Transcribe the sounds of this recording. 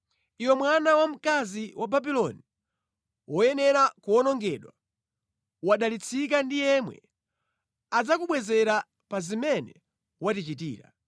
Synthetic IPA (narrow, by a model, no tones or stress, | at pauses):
iwɔmwanawam̩kaziwʔababilɔni | wɔjɛnɛɾakuɔnɔŋɡɛɗwa | waɗalit͡sʰik̬andijɛmwɛ̰ | ad͡zakuɓwɛzɛɾa | pazimɛnɛ | watit͡ʃit̬ḭːɾa̰